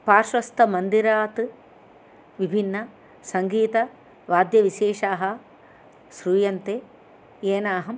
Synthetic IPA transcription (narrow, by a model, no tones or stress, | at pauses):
paːɾʃʋɐst̪ʰɐmɐnd̪iɾaːt̪ɨ | ʋibʱinːɐ | sɐŋɡiːt̪ɐ | ʋaːd̪jɐʋiʃeːʂaːɦɐ | sɾuːjɐnt̪eː | eːnaːɦɐm